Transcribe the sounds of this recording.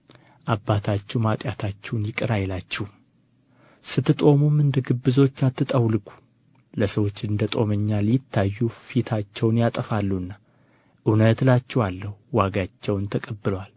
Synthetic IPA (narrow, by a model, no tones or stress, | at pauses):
ʔabːat̪ʰat͡ʃːumat̪ʼjat̪ʰat͡ʃːɛwnjɪkʼɨɾajlat͡ʃːɛhum | sɨt̪ːɨt̪ʼo̞mumɨnd̪əɡɨbːɨzo̞t͡ʃːat̪ːɨt̪ʼəwlɨkʼu̥ | ləsəwo̞t͡ʃːɨnd̪ət̪ʼo̞məɲːaljɪt̪ʰːajːufit̪ʰat͡ʃːɛwnjat̪ʼəfalːuɨnːa | ʔɨwnət̪lat͡ʃːɛwalːəhuːaɡat͡ʃːɛwnt̪ʰəkʼəbːɨlwal